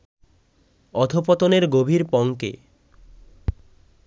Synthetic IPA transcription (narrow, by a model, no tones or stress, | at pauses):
ɔd̪ʱopɔt̪oneɾɡobʱiɾpɔŋkḛ